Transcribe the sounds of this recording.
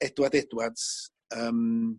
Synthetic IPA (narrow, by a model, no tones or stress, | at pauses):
ɛdwadɛdwad̥ | əːm